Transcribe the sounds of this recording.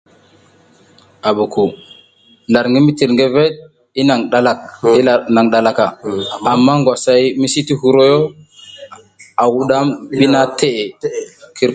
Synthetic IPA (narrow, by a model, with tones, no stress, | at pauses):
a˨bu˨ku˨ | la˨ɾŋɡi˦mi˦ti˨ɾŋɡe˦ve˦t̚ | i˦na˨ŋɗa˦la˦k̚i˦˨na˨ŋɗa˨la˦ka˨a˨mːa˦ŋɡʷwʷa˨sa˨jmi˦si˦ti˦ɦu˨ɾo˦jo˦ | a˨wu˦ɗa˦mɓi˦na˦te˦ʔe˨kʰi˦ɾ